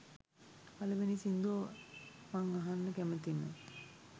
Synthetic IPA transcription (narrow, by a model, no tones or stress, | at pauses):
paləʋenisind̪u | maŋaɦanːəkæmət̪imə̰